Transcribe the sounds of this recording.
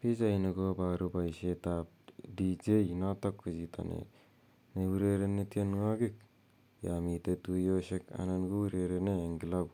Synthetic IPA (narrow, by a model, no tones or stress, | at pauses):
pid͡ʒajnuɡobaɾubajset̪ap̚ | did͡ʒejnat̪akːɯd͡ʒit̪ʰa̰nḛ | newuɾeɾenet̪ienŋaɡik̚ | jamit̪et̪ujoseka̰nanɡuwuɾeɾeneŋɡilaw